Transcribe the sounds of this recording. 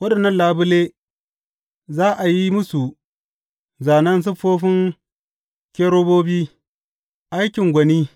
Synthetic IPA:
wɐ˦ɗɐ˨nːɐ˦nlaː˨bʊ˦le˦ | zaː˦ʔa˨ji˦mʊ˦su˨ | zaː˨nɐ˦ns̬ʊ˦ɸoː˦ɸɪ˦ŋ | kʲeː˦ɾoː˦boː˦biː˦ | ʔa˦jkʲɪ˨ŋɡʷɐ˨niː˦

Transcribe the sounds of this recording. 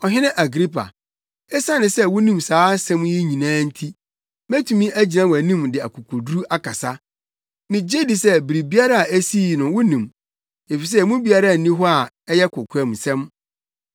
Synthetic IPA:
ɔ˨ɦɪ˦nɪ̃˦ʔa˨ɡɾi˦pʰa̰˨ | ɛ˦sa˦nɪ̃˨sɛ˦wʊ˦nĩ˦˨msaː˨˦sɛ̃˦mji˦ɲĩ˨nãː˦n̩˦tʰi˦ | mæ˦tʰu˨mĩ˦ʔæ˦d͡ʑi˨nã˦wæ˨nĩ˦mdɪ˨a̰˨kʰʊ˨kʰʊ˨dɾu˦ʔa˦kʰa˨sa˦ | mɪ̃˨d͡ʑe˦di˨sɛ˦bi˨ɾi˨bi˦a˦ɾa˦a˨æ˦si˦˨nʊ̃˨wʊ˦nĩ˨m | e˨fi˨s̬ɛ˦˨mũ˦bi˦a˦ɾa˦˨nĩ˦ɦɔ˦a˨ | ɛ˦jɛ˦kʰʊ˨kʰɛ̃˨msɛ̃˦m

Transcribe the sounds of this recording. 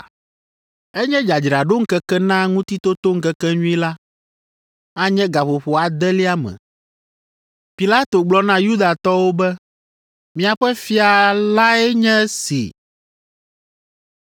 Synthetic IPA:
ɛ˦ɲɛ̃˦d͡ʒa˨d͡ʒɾa˨ɖo˦ŋ̩˦kɛ˦kɛ˦nã˦ŋũ˦t̪i˦t̪o˦t̪o˦ŋ̩˦kɛ˦kɛ˦ɲũ˦i˦la˦ | a˦ɲɛ̃˦ɡa˨ɸo˨ɸo˨a˨d̪ɛ˦li˦a˦mɛ̰̃˨ | pi˨la˦t̪o˨ɡ͡blɔ˦nã˦ju˦d̪a˨t̪ɔ˦wo˦bɛ˦ | mĩ˦a˨ɸɛ˦fi˦a˨la˦ɛ˦ɲɛ̃˦sḭ˨

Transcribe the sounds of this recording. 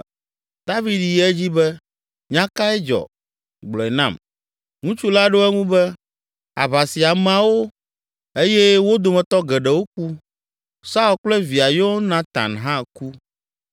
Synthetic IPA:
d̪a˦vi˨d̪ji˦ɛ˦d͡ʑi˦bɛ˦ | ɲã˦ka˦ɛ˦d͡ʒɔ̰˨ | ɡ͡blɔ˨ɛ˨nã̰˦˨m | ŋũ˦t͡ʃu˦la˦ɖo˦ɛ˦ŋũ˦bɛ˦ | a̰˨βa˨si˨a˨mɛ̃˨a˨wo˦ | e˦jɛ˦wo˦d̪o˨mɛ̃˨t̪ɔ˦ɡɛ˨ɖɛ˨wo˦k̚u˦ | sa˦u˨lk͡plɛ˦vi˨a˨jo˦nã˦t̪ã̰˨nɦã˦ku˦

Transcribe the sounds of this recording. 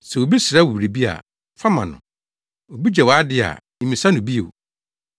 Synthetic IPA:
sɛ˨wo˨bi˦sɪ˨ɾa˦wo˨bɾi˨bi˦a̰˨ | fa˦mã̰˨nʊ̰̃˨ | o˨bi˦d͡ʑɛ˨wɔ˨a˦dɪ˦a̰˨mĩ˨sa˦nʊ̃˨bi˦e˨o˨

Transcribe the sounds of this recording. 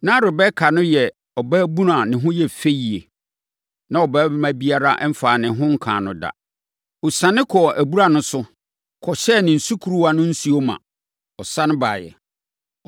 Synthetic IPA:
nã˦ɾʊ˨bɛ˦kʰa˨nʊ̃˦jɛ˨ | ɔ˨baː˦bũ˦ɾa˨nɪ̃˨ɦʊ̃˦jɛ˦fe˦ji˨e˨ | nã˦ɔ˨baː˦bɪ˦mã˦bi˦a˦ɾa˦ʔm̩˦faː˨nɪ̃˨ɦʊ̃˦ŋ̩˦kʰã̰ː˨nʊ̃˨da̰˨ | ʊ˨sã˨nɪ̃˦kʰɔ˨ʔæ˨bu˦ɾa˨nʊ̃˦sʊ˦ | kʰɔ˨ɕɛ˦˨nɪ̃˨n̩˨su˦kʰu˨ɾu˦wa˨nʊ̃˦n̩˦su˦o˦mã̰˨ | ɔ˨sã˦nʊ̃˦ba̰ː˨jɛ̰˨

